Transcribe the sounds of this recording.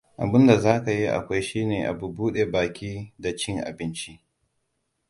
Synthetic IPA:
ʔa̰˨bɪ˦nda˨zaː˦ka˨ji˦ʔa̰˨kʷa˦jʃiː˦neː˨ʔa̰˨bu˨buː˦ɗe˨baː˨kʲiː˦da˨t͡ʃɪ˦ŋʔa̰˨bɪ˦nt͡ʃi˦ʔ

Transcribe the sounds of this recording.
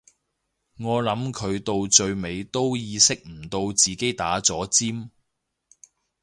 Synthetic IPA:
ŋɔː˨˧lɐ˨˥mkʰɵ˨˧ɥt̪o˧wt͡ʃɵ˧ɥme˨˧jt̪o˥wjiː˧sɪ˥k̚m̩˨˩t̪o˧wt͡siː˨ke˥jt̪aː˨˥t͡sɔː˨˥t͡siː˥m

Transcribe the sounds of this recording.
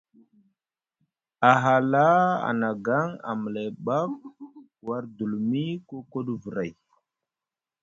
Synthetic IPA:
a˨ɦa˨la˦a̰˨na˨ɡa˦ŋa̰˨mə˨la˨jɓa˦k̚ | wa˦ɾdu˨lmi˦ko˦ko˦ɗvə˨ɾa˨j

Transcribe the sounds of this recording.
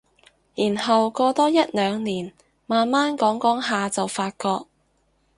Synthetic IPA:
jiː˨˩nɦɐ˨wkɔː˧t̪ɔː˥jɐ˥t̚lœː˨˧ŋniː˨˩n | maː˨nmaː˥nkɔː˨˥ŋkɔː˨˥ŋɦaː˨t͡sɐ˨wfaː˧t̚kɔː˧k̚

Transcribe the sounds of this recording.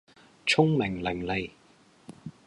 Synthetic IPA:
t͡ʃʰʊ˥ŋmɪ˨˩ŋlɪ˨˩ŋle˨˩j

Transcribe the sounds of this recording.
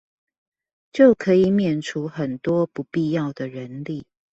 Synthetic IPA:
t͡ɕjo˥˨˩ʊkʰə˧˦i˨˩mjɛ˨˩nʈ͡ʂʰu˨˦xə˨˩nt̪wɔ˦˥pu˧˦pi˥˧jɑ˥˨ʊd̪ə˨ɻə˨˦nli˨˩

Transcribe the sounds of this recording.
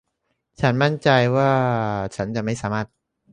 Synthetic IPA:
t͡ɕʰa˦˥nma˥˩nt͡ɕa˧jwaː˥˩t͡ɕʰa˦˥˩nt͡ɕa˨˩ʔma˥˩jsaː˩˦maː˥˩t̪̚

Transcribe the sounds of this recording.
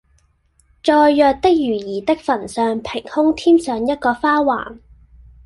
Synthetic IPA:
t͡ʃɔː˨˧jːœː˨˧k̚t̪ɪ˥k̚jyː˨˩jiː˨˩t̪ɪ˥k̚fɐ˨˩nsœː˨ŋpʰɪ˨˩ŋhʊ˥ŋt̪ʰiː˥msœː˨ŋjɐ˥t̚kɔː˧faː˥wa̰ː˨˩ŋ

